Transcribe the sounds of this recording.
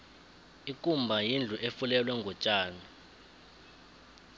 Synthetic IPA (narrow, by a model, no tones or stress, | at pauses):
ikʼumbʱajind͡ɮʱuʔefulɛlwɛŋɡʱɔt͡ʃʼaːni